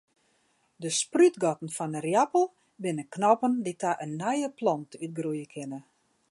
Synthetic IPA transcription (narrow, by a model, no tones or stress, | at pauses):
dəsprytɡɔtn̩fɔnərjapəlˠ | bɪnəknɔpənditʰaʔənːɛjəplɔntyt̚ɡrujəkʰɪnə